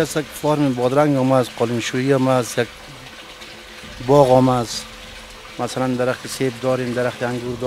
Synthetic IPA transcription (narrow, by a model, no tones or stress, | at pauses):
asakfɔɾmibɔd̪ɾaŋɡɔːmasqɔlimʃuiɔːmasjaɡ̚ | bɔɣɔmas | masaland̪aɾaχt̪iseb̚d̪ɔːɾemd̪aɾaχt̪iaŋɡuɾd̪ɔ